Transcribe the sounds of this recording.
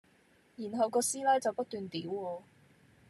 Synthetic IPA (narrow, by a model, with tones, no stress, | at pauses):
jiː˨˩nɦɐ˨wkɔː˧siː˥lɛː˥t͡sɐ˨wpɐ˥t̪̚yː˨nt̪iː˨˥wɔː˧